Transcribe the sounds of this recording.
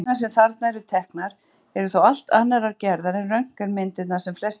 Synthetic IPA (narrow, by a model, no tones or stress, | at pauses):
naɾsɛmθaɾt̪naɛɾʏt̪ʰɛhknaɾ̥ | ɛɾʏθowal̥t̪anːaɾaɾcɛɾðaɾɛnrœŋ̥kaɾmɪnt̪ɪt̪nasɛmflɛst